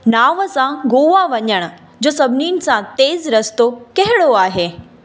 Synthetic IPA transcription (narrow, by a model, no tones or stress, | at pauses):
naːʋəsãɡoːʋaʋɐɲəɽ̃ʊ̆ | d͡ʑoːsɐbʱɪniːnɪ̆sãt̪eːzɾɐst̪okɐɦɪɽoaːɦeː